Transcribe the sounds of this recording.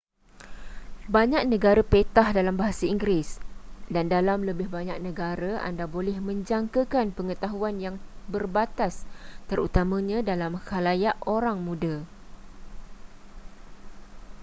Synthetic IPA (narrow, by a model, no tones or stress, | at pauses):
baɲak̚nə̃ɡaɾapet̪ahdalambaɦasaiŋɡɾɪsdandalamləbɪhbaɲak̚nə̃ɡaɾaa̰ndabolɛhmə̃ɲd͡ʒaŋkəkanpəŋət̪aɦuanjaŋbərbat̪ast̪əɾṵt̪amə̃ɲãdalamkalajaʔoɾaŋmũda